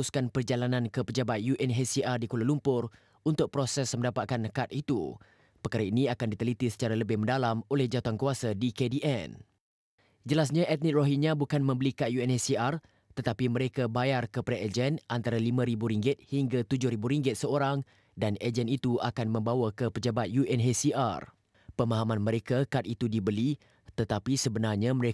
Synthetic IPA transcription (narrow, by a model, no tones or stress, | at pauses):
uskanpərd͡ʒalanãnkəpəd͡ʒabat̪̚juʔɛnɦesiʔardikolalumpʊr | unt̪ʊk̚pɾosɛsməndapat̪̚kankat̪̚it̪ṵ | pərkaɾainĩakandit̪əlit̪isə̥t͡ʃaɾaləbɪhmə̃ndalamolɛhd͡ʒat̪uankuasadikediʔɛn | d͡ʒəlas̬ɲãʔɛt̪̚nik̪̚roɦinãbukanmə̃mbəlikajuɛnesiar | t̪ət̪apiməɾekabajarkəpaɾaʔed͡ʒɛnʔant̪aɾalimãɾibuɾiŋɡɪt̪̚hiŋɡat̪ud͡ʒʊhɾibuɾiŋɡɪt̪̚səoɾaŋ | daned͡ʒɛnit̪uakanmə̃mbawakəpəd͡ʒabat̪̚juʔɛnɦesiʔa̰r | pəmaɦamãnmə̃ɾekakat̪̚it̪udibəli | t̪ət̪apisəbənarɲãməɾe